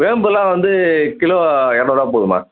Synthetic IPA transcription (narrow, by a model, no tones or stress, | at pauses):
ʋeːmbɯlãːʋɐnd̪ɯkɪloːɛnːoːɽãːp̬oːðɯma̰ː